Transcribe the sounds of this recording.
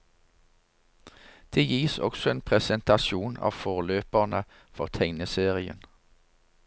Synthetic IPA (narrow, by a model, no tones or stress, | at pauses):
d̪̥eːjiːsɔ̰ɡ̥sɔeːnpʰʁɛsənt̪ɑʃuːnɑ̰ːʋfoːʁløːpəʁnə | fɔʁt̪ʰɛŋnəseːʁɪə̰n